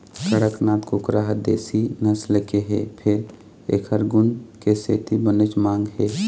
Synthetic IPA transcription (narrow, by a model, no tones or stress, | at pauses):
kəɽəknaːt̪kʊkɾaːɦəd̪ḛːsinəslekeɦḛːpʰɪɾ | ḛːkʰəɾɡʊnkeseːt̪ibənɪt͡ʃmãːŋɡɦeː